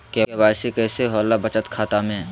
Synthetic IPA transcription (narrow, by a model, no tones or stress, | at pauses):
kebaːjsekɛːseɦɔːlːabət͡ʃət̪kʰaːt̪amẽ